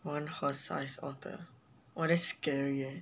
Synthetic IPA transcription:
wãnhɔsa̰ɪsɔ̰θə̰ | wɔɾɛskɛɹjə

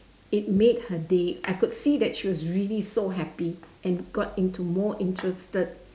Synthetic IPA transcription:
ɪt̚med̚hədeʔajkʊd̥sidɛt̚ʃiwɔsɹilisoɦɛpi | ɛ̃nɡɔtɪ̃ntumɔʔɪ̃ntʰɹəstəd̚

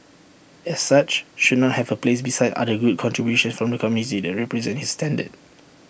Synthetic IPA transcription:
ɛsːat͡ʃʃud̚ⁿnɔt̚hɛvəplesbisaɪda̰dəɡud̚kʰɔ̃ntɹibjuʃə̃nfɹɔ̃mdəkʰɔmjunitidɛt̚ɹɛpɹɛzɛ̃nthistɛ̃ndə̰d̚

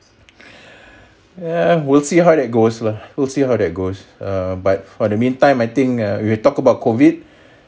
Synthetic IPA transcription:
jawilsiɦawdɛt̚ɡoslawilsiɦawdɛt̚ɡosʌbat̚fɔdəmĩntãɪ̃majt̪ĩŋawiwɛtɔkəbaʊt̚kʰovid̚

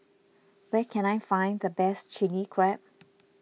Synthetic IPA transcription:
wɛkʰɛ̃najfãɪ̃ndəbɛst͡ʃɪnikʰɹɛp̚

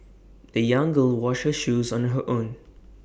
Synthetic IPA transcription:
dəjʌ̃ŋɡəlˠwɔʃhəʃuːzɔ̃nɦəʔõːn

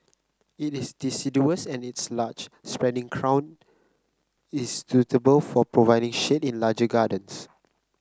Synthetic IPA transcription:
itɪsdisiduəsɛ̃nitslat͡ʃ | spɹɛ̃ndĩŋkʰɹãw̃n | ɪssutʰəbəlfɔpɹovajdĩŋʃetĩnlad͡ʒəɡadə̃ns

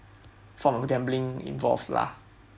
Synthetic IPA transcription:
fɔ̃mɔfɡɛ̃mblĩŋḭ̃nvɔ̰lfla̰

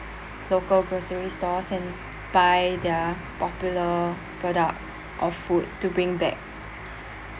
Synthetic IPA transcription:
lokəlɡɹosəɹistɔsɛ̃n | b̥ajdə | pɔpjulə | pɹɔdək̚ts | ʔɔffud̚tːubɹĩŋbɛk̚

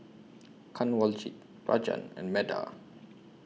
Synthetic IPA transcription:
kʰãnwɔlt͡ʃḭt̚ | ɹa̰d͡ʒə̰̃nɛ̰̃nmɛda̰

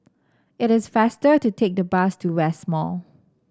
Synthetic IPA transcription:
ɪɾɪsfastətutʰek̚dəbastʰuwɛsmɔ̰l

